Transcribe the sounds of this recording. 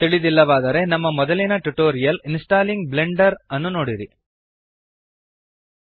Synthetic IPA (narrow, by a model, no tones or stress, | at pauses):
t̪iɭid̪ilːɐʋaːd̪ɐɾe̞nɐmːɐmɔd̪ɐlinɐʈuʈoːɾijɐlinsʈaːliŋɡble̞ɳɖɐɾɐnːuno̞ːɽiɾi